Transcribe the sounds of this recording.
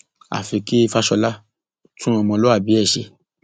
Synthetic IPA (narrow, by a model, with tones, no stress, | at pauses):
a̰˨fi˧ki˦i˧fa˦ʃɔ˧la˦ | tũ˦ɔ˧mɔ̃˧lɔ˦a˦˨bi˨˦ɛ˦˨ʃe˧